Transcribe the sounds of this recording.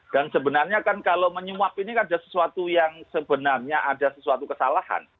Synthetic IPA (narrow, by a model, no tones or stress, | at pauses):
d̥ansəbənarɲakankaloməɲuapinikadasə̥suat̪ujaŋsəbənarɲaʔadasəsuat̪ukəsalaha̰n